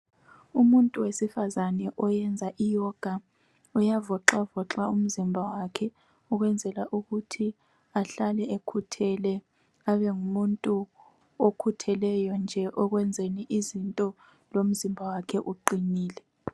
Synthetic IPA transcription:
umuntʼuwesifazanɛʔɔjɛnd͡zʱaʔijɔɡ̥ʱa | ɔjavɔǁavɔǁaum̩zimbʱawakʰɛ | ɔɣwɛnd͡zʱɛlaʔuɣutʰi | aɬalɛekʰutʰɛlɛ | aβɛŋumuntʼu | okʰutʰɛlɛjɔnd͡ʒʱɛʔɔɣwɛnd͡zʱeniʔizintʼɔ | lom̩zimbʱawakʰɛʔuǃiniːlɛ

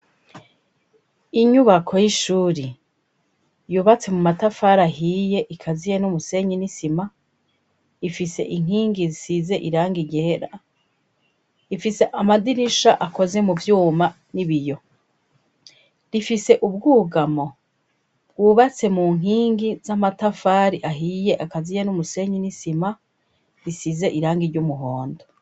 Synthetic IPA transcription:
iɲuβakʰo̞jiʃuːɾe | juːβat͡se̞mumatafaːɾaɦiːje̞ʔikʰazijenumuse̞ɲinisima | ifise̞̰ʔiŋ̥hiːŋɡizisize̞ʔiɾaːŋɡiɟeːɾa | ifise̞ʔamadiɾiʃaʔako̞ze̞muvjuːma | niβijo̞ | ɾifise̞ʔubɡuːɡamo̞ | b̚ɡ̥uːβat͡se̞muːŋ̥ɦiːŋɡizamatafaːɾiʔaɦije̞ʔakazijenumuse̞ɲinisima | ɾisize̞ʔiɾaːŋɡiɾɟumuɦoːndo

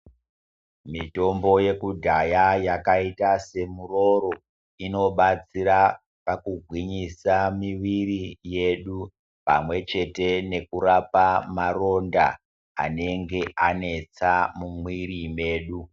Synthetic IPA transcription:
mito̞mbo̞je̞kudʱajajakaitase̞muro̞ɾo̞ | ino̞ɓat͡siɾa | pakuɡʱwiɲisamiʋirije̞ɗu | pa̰mwe̞t͡ʃe̞te̞ne̞kuɾapamaro̞nda̰ː | ne̞ŋɡe̞ʔane̞t͡samumwirime̞ːɗu

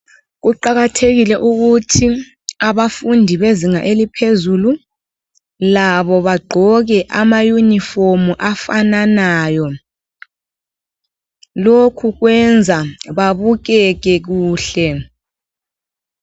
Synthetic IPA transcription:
ɣuǃaɣatʰeɣilɛʔuɣutʰi | aβafundʱiβeziŋaʔelipʰezulu | laβɔβaɡ͡ǃʱɔɣɛʔamajunifomuʔafananaːjɔ | lokʰuɣwɛnd͡zʱaβaβuɣɛɣɛɣuːɬɛ

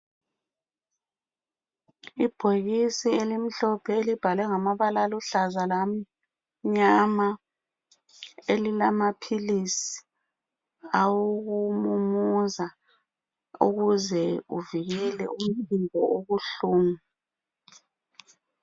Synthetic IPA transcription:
ib̥ʱoɣisielim̩ɬɔpʰɛelib̥ʱalɛŋamaβalaluɬazalam̩ | ɲama | elilamapʰilisi̥ | awoɣumumuza | ṵɣuzɛuviɣɛlɛ̰ʔum̩timbʱɔʔoɣuɬuːmu

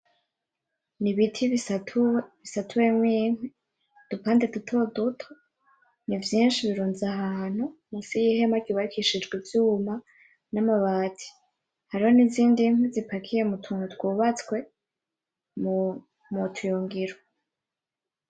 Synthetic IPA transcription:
niβitʰi | βisatʰuwemwiːŋe | d̥upaːndedutʰo̞dutʰo | nivjiːnʃiβiɾuːnzahaːn̥umusijihe̞makiβaɾikʰiʃid͡ʒɡwivjuːma | namaβaːtʰi̥ | haɾiho̞niziːndiŋ̥huzipakʰije̞mutʰuːnutwuːβat͡skwe̞ | m | mutʰujoːŋɡiɾo

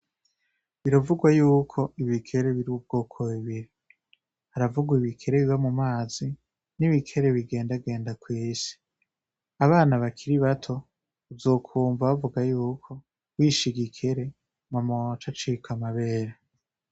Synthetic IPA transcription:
βiɾavuɡwajuːkʰo̞iβikʰe̞ɾe̞βiɾiub̚ɡo̞ːkʰoβiβiɾi | haɾavuɡwaiβikʰe̞ɾe̞βiβamumaːzi | niβikʰe̞ɾe̞βiɡe̞ːndaɡe̞ːndakwiːsi̥ | aβaːnaβakʰiɾiβatʰo̞ | uvzo̞ːkʰuːɱvaβavuɡajuːkʰo̞ | wiːʃiɡikʰe̞ɾe̞ | mamot͡ʃat͡ʃikamaβe̞ːɾe

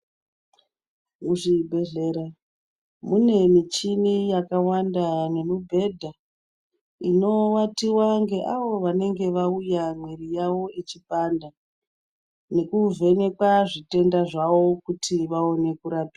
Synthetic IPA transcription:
muʐibʱe̞ɮe̞ɾa | mune̞mit͡ʃinijakawandane̞mubʱe̞dʱa | ino̞watiwaŋɡe̞ʔaʋo̞ʋane̞ŋɡe̞ʋaujamwerijaʋo̞et͡ʃipanda | ne̞kuve̞ne̞kwaʐite̞ndaʐaʋo̞kutʰiʋao̞ne̞kuɾapi̥a

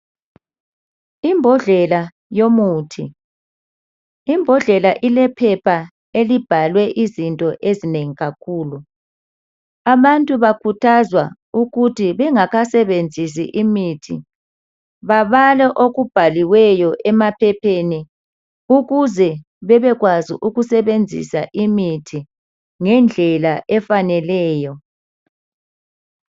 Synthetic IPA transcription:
imbʱɔɮɛla | jomuːtʰi | imbʱɔɮɛlaʔilɛpʰɛpʰa | elib̥ʱalwɛʔizintʼɔʔezineŋiɣakʰuːlu | aβantʼuβakʰutʰazwa | uɣutʰiβɛŋaɣasɛβend͡zʱis̬ḭʔimitʰi | βaβalɛʔoɣub̥ʱaliwɛjɔʔɛmapʰɛpʰeni | uɣuzɛ | βɛβɛɣwazḭʔuɣusɛβend͡zʱḭsaʔimitʰi | ŋɛnd͡ɮʱɛlaʔɛfanɛlɛːjɔ

